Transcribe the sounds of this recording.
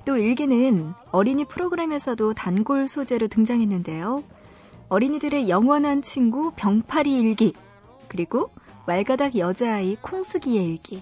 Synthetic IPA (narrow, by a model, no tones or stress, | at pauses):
t͈oiɭɡinɯn | ʌɾiɲipʰɯɾoɡɯɾe̞me̞sʰʌdotanɡoɭsʰod͡ʑe̞ɾotɯŋd͡ʑaŋɦe̞nːɯnde̞jo | ʌɾiɲidɯɾe̞jʌŋwʌnɦant͡ɕʰiŋɡupjʌŋpʰaɾiːɭɡi | kɯɾiɡo | maɭɡadaɡjʌd͡ʑaikʰoŋsʰɯɡie̞iɭɡi